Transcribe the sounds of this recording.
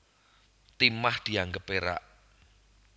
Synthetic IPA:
t̪imahd̪̥i̤aŋɡəpeɾa̰ʔ

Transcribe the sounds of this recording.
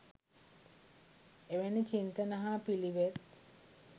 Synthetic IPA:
eʋenit͡ʃint̪ənəɦaːpiliʋet̪

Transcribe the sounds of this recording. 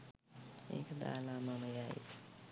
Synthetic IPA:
ḛːkd̪a̰ːlaːmaməjaḛ

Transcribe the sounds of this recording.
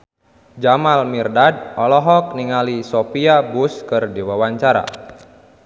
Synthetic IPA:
d͡ʒamalmirdad̚ʔɔlɔɦɔk̚niŋalisopiabuskɨrdewawaɲt͡ʃaɾa̰

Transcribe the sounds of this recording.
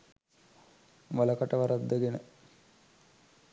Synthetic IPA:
ʋaləkaʈəʋaɾad̪ːəɡenə

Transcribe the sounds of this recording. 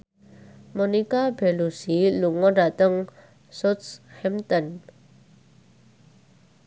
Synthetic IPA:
mɔnikabɛlusiluŋɔdat̪əŋ | sɔt̪shɛmt̪ɔn

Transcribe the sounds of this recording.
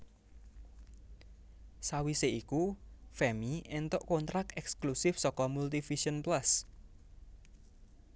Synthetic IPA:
sawiseikufɛmiʔɛnt̪oʔkont̪ɾakɛksklusɪfsɔkɔmult̪ifiʃənplas

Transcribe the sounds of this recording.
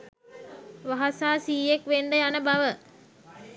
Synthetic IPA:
ʋaɦasaːsiːekʋeɳɖəjanəbaʋə

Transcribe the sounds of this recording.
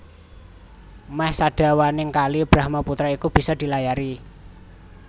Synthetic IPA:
mɛhsaɖ̥a̤wanɪŋkalib̥ɾahmaput̪ɾaikub̥i̤sɔd̪̥i̤lajaɾi

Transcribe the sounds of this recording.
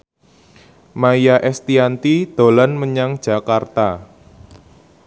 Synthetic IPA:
maijaʔɛst̪iant̪id̪̥o̤lanməɲaŋd̥ʒ̥a̤kart̪a

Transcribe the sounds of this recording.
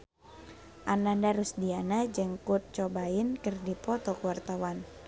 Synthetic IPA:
ʔanandaɾusdianad͡ʒɨŋkut̪̚t͡ʃɔbaɪnkɨrdipɔt̪ɔkuwart̪awan

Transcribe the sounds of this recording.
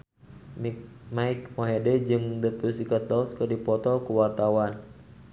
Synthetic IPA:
maik̚mɔɦɛdɛd͡ʒɨŋd̪əpusikat̪ɔlskərdipɔt̪ɔkuwat̪awan

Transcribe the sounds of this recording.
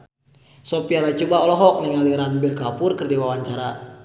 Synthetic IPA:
sɔpialat͡ʃubaɔlɔɦɔk̚nəŋaliɾanbɛrkapʊrkərdiwawaɲt͡ʃaɾa

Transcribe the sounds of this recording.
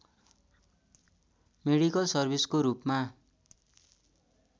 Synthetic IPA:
meɽikʌlsʌrbʱiskoɾupma

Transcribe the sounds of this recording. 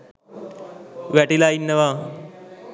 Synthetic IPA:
ʋæʈilainːəʋaː

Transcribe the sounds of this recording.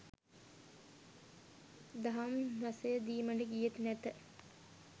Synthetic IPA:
d̪aɦamʋasejəd̪iːməɳɖəɡijet̪næt̪ə

